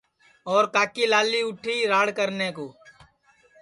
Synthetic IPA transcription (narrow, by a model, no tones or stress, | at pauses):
ɔːɾkaːkiːlaːliːʊʈʰiːɾaːɽkəɾneːkoː